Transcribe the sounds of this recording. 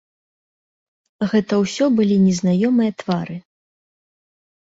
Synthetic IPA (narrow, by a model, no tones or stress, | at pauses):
ɣɛt̪ɐwsʲɔbɨlʲinʲɛznajɔmɨjɐt̪v̥aɾɨ